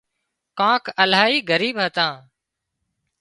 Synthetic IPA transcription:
kãːkəlaːɦiːɡəɾiːbɦət̪ãː

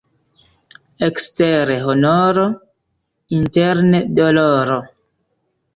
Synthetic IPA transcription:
eksteɾeɦonoɾo | inteɾnedoloɾo

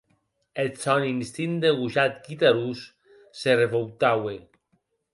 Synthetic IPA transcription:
esɔninst̪ind̪eɣuʒat̪kit̪aɾusː | ereβowt̪awe

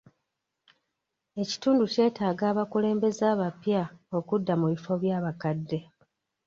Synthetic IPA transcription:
e̞ci̥tuːnduce̞ːtaːɡaːβakule̞ːmbe̞zaːβapjao̞kudːamuβifo̞βjaːβakadːe̞

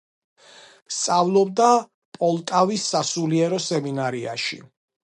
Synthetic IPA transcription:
st̪sʼavlˠɔbd̪a | pʼɔlˠt̪ʼavisːasuliɛɾɔsɛminaɾia̰ʃḭ

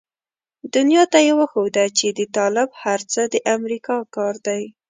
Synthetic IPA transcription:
d̪ʊnjɑt̪ajewəxod̪at͡ʃed̪ət̪ɑlɪbhaɾt͡səd̪əʔamɾikɑkɑɾd̪aj

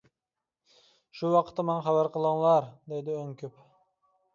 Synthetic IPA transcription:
ʃuwɑqʰə̥t̪ːɑmɑŋχɑbæɾqʰəlˠəŋlˠɑɾd̪ejd̪ɪøŋkʰʲyp

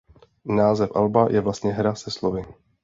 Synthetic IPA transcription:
naːzɛfʔalbajʔɛvlast̪ɲɛɦɾasɛslovɪ

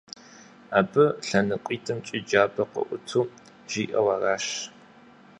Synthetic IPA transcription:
aːbɨɬɐnɨqʷʼiːtʰɐmt͡ʃʼɪd͡ʒaːbɐqə̰ʔʷʊtʰuː | ʒ̥iːʔɐwaraːʃ

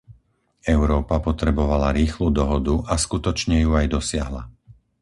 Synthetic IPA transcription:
ɛʊɾɔːpapɔt̪ɾɛbɔʋalaɾiːxluːd̪ɔɦɔd̪uʔaskut̪ɔt͡ʃɲɛjuajd̪ɔsɪaɦla̰

